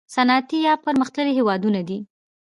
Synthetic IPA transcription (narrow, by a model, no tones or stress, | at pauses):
sanɑt̪ijɑpəɾməxt̪ləɾiɦewɑd̪unad̪i